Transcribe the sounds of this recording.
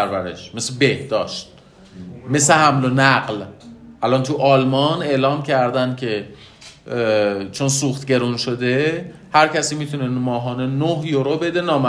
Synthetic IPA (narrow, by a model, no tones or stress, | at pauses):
æɾvæɾḛʃmesebehd̪ɒːʃt̪̚ | me̞sehæmlonæɣlʔælɒnt̪ʰuʔɒːlmɒne̞lɒːmcʰæɾd̪ænd̪̚cʲʰe̞ | t͡ʃʰonsuːxt̪ɟe̞ɾunʃod̪e̞ | hæɾcʰæsiːmiːt̪ʰunenmɒːɦɒːnenohjoɾobe̞d̪e̞nɒːmæ